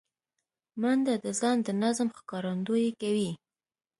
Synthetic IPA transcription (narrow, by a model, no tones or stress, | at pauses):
mand̪ad̪əzɑnd̪ənazmxkɑɾand̪ojekawi